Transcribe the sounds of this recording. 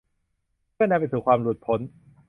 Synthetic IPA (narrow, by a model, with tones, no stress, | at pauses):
mʰɯ˥˩ɐnɛː˧mpa˧jt̪ʰuː˩˦kʰwaː˧mluː˨˩t̪̚pʰo˨˦n